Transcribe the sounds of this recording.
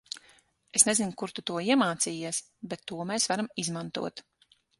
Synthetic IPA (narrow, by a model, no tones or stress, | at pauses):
esnɛzinʲkuɾt̪ut̪uɔiɛmaːt̪siːjiɛs | bɛt̪ːuɔmɛːsvaɾamizmant̪ṵɔt̪